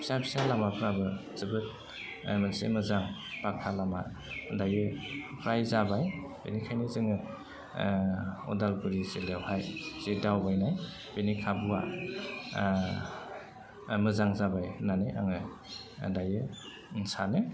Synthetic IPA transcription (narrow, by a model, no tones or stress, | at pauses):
pʰi̥sapʰi̥salamapʰɾabɯz̥ɯbɯt̚ | mɯnsḛmɯzaŋpakʰalama̰ | dajɯpʰɾajzabajbḛnikʰajnizɯŋɯ | ɔ̰dalɡuɾizilewhajz̥idawbajnaj | b̥enikʰabuwa̰ | mɯzaŋzabajnanea̰ŋɯ | dajɯ | nsane